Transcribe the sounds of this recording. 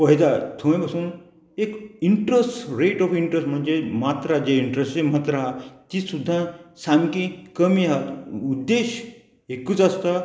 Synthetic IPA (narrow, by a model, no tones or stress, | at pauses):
pəɦit̪at̪ʰõẽbɐsuːn | ekiɳʈɾəsɾeʈɔfiɳʈɾəsʈm̤ənd͡zemat̪ɾad͡ʒeiɳʈɾesemat̪ɾaat̪isud̪ʱːãsamkikəmiɦat̪ud̪ːeɕ | ekːut͡sɐst̪a